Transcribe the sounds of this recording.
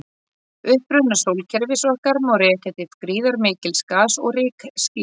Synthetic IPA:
ʏhpɾʏnasowlcʰɛɾvɪsɔhkaɾmawɾɛːcɛt̪ɪfkɾiːðaɾmɪːcɪlskaːsɔɣrɪːksci

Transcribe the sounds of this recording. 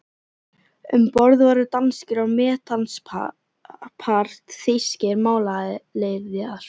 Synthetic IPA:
ʏmpɔɾðvaɾʏt̪anscɪɾawmɛːt̪ans | pʰaɾ̥t̪θɪjscɛɾmaːwlaðɪleːjvðaɾ̥

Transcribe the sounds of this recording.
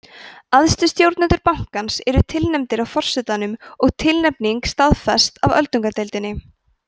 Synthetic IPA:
aðst̪ʏst̪jowɾt̪nɛnt̪ʏɾpawŋ̥kansɛɾʏt̪ʰɪlnɛmt̪ɪɾawfɔr̥sɛt̪anʏmɔɣt̪ʰɪlnɛpniŋkst̪aðfɛst̪avœlt̪uŋkaɾt̪ejlt̪ɪnːɪ

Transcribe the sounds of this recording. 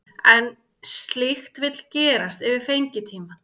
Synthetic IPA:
ɛn | st̪lɪxt̪vɪt̪l̥cɛːɾast̪ɪvɪɾ̥fejɲcɪt̪ʰiːma

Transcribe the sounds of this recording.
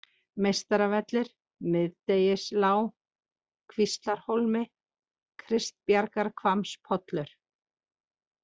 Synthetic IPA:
mejst̪aɾavɛt̪lɪɾ̥ | mɪðt̪ejɪslaːw | kʰvist̪laɾ̥holmɪ | kʰɾɪst̪̚pjaɾkaɾkʰvamspʰɔt̪lʏɾ̥

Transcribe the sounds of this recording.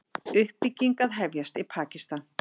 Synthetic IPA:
ʏhpːicːiŋkaðɦɛvjast̪ipʰaːcist̪an

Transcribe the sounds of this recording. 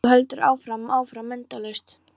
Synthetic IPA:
hœlt̪ʏɾʔa̰ːwfɾamaːwfɾamːɛnt̪alœɥst̪

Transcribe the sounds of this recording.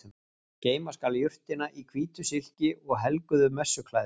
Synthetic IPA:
ceːjmaskaljʏr̥t̪ɪnaʔikʰv̥iːt̪ʏsɪl̥cɪɔɣɦɛlkʏðʏmɛsːʏkʰlaːj

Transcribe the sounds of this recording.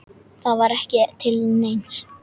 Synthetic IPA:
θaðvaɾɛhcɪt̪ʰɪlnejn̥s

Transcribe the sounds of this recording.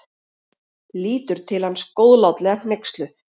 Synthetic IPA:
liːt̪ʏɾ̥t̪ʰɪlhanskoːwðlawt̪lɛɣanejkst̪lʏθ

